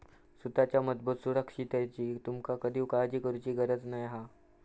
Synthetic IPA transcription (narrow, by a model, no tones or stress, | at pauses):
sut̪at͡ɕjamət̪̚buːt̪suɾəkʂit̪at͡ɕiːt̪umkakəd̪ʱiːʋkad͡ʑiːkəɾut͡ɕiːɡəɾət͡snajɦa